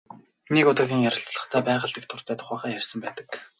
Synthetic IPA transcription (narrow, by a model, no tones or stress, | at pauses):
nekʊt̪ə̆xʲiːŋjæɾʲə̆ɬt͡sɮə̆χt̪ʰæːpæːʁə̆ɮik̚t̪ʰʊr̥t̪ʰæːt̪ʰʊ̥χæːχæːjærʲsə̆mpæːt̪ə̆k